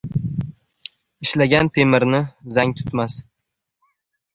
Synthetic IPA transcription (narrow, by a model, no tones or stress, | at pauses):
ɪʃlaɡʲant̪ʰe̞mɪɾnɪzaŋt̪ʰʊ̥t̪mas